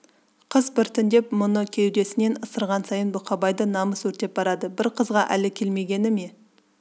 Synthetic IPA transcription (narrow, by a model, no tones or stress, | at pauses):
qʰəzbɪɾt̪ʰɪnd̪e̞pmʊnəkʲʰe̞wd̪e̞sɪne̞nəsəɾʁɑnsɑjənbʊqʰɑbɑjd̪ənɑməswɵɾt̪e̞p̚bɑɾɑd̪əbɪɾqʰəzʁɑʔæ̰lɪkʲʰe̞lme̞ɡʲe̞nɪme̞